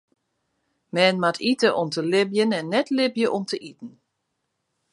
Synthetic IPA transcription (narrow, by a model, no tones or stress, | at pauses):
mɛːnmatʰitəʔomtəlɪbjənɛnːɛtlɪbjəʔɔmtʰəʔitn̩